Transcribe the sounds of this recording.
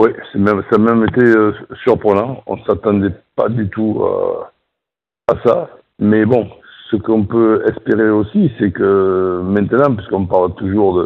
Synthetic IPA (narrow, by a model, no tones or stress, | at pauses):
wɛsɛmɛmsaːmɛmet̪eøsyʁpχənɑ̃ɔ̰̃sat̪ɑ̃d̪ɛpa̰d̪yt̪ua̰ | asa | mɛbɔ̃səkɔ̃pøɛspeʁeosisɛkəmɛ̃nt̪ənɑ̃p̬ɥiskɔ̃paʁlt̪uʒuʁd̪ə